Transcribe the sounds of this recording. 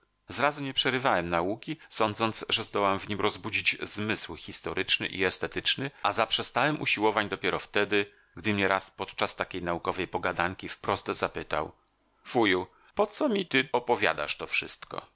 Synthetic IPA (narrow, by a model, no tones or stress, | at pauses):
zɾazuɲɛpʂɛɾɘvawɛmnaukʲisɔnd̪zɔnt̪sʐɛzd̪ɔwwamvɲimɾɔzbud͡ʑid͡ʑzmɘswxʲist̪ɔɾʔɘt͡ʂnɘ̰ʔḭɛst̪ɛt̪ɘt͡ʂnɘazapʂɛst̪awɛmʔṵɕiwɔvaɲd̪ɔpʲjɛɾɔft̪ɛd̪ɘ | ɡd̪ɘmɲɛɾʔaspɔt̪t͡ʂast̪akʲejnaukɔvɛjpɔɡad̪aŋkʲifpɾɔst̪zapɘt̪a̰w | v̥uju | pɔt̪sɔmʲit̪ɘɔpɔvʲja̰d̪a̰ʂt̪ɔfʂɘst̪kɔ̰